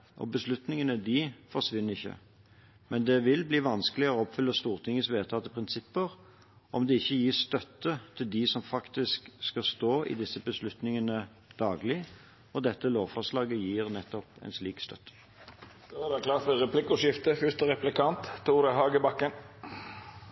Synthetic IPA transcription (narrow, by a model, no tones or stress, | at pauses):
ʔɔ̰bəslʉt̪nɪŋənəd̪ɪfɔʁsʋɪnːəɪçːə̰ | mɛnd̪ɛʋɪlbliːʋɑnskəlɪəɔɔpfʏlːəst̪uːʁt̪ʰɪŋːəsʋeːt̪ʰɑːt̪əpʰʁɪnsɪpːəʁ | ʔɔmd̪ɛɪçːəjiːst̪œt̪ːət̪ʰɪld̪ɪsɔmfɑkt̪ɪskskɑst̪oːʔɪ̰d̪ɪsːəbəslʉt̪nɪŋənə | d̪̥ɑːɡlɪ | ɔd̪ɛt̪ːəloːʋfɔʂlɑːɡəjiːʁnɛt̪ːɔpɛ̰nsliːkst̪œ̰t̪ːə̥ | d̪̥ɔæd̪ɛkʰlɑːtəɾɛpʰlɪkʊʂɪft̪əfʏst̪əɾɛplɪkʰɑnt̪t̪ʰːuːʁd̪ɛɦɑːɡəbɑkːən